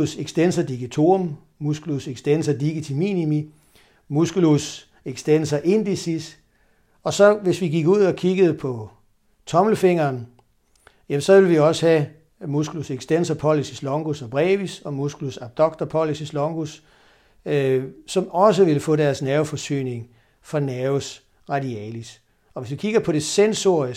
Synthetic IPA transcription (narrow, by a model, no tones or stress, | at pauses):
useɡ̥sd̥ensɐd̥iɡ̥ət͡sʰo̝̰m | musɡ̥uluseɡ̥sd̥ensɐd̥iɡ̥it͡sʰiminimi | musɡ̥ulus | e̝ɡ̥sd̥ensɐʔe̝nd̥isis | ɒ̽sɒ̽ʋe̝sʋiɡiɡ̥uð̞̰ˠɒ̽kʰiɡ̥əð̞̩ˠəpʰɒ̽ | t͡sʰɒ̽mləfe̝ŋ̰ɐːn | jæmsɒ̽ʋe̝lʋiɒ̽səhæ | musɡ̥uluseɡ̥sd̥en̰sɐpʰɒ̽lisislɔ̽ŋɡ̥usɒb̥ʁɛːʋisɒ̽musɡ̥ulusɑb̥̚d̥ɒ̽ɡ̥̚d̥ɐpʰɒ̽lisislɔ̽ŋɡ̥us | sɒ̽mɒ̽s̬əʋe̝ləfɔ̰̽ːdæɐsnæʊfɒ̽sy̰ːne̝ŋ | fɒnæʊs | ʁɑdiɛ̰ːlis | ɒ̽ʋe̝sʋikʰiɡ̥ɐpʰɒ̽ɾ̥e̝senso̝ɐ̰ə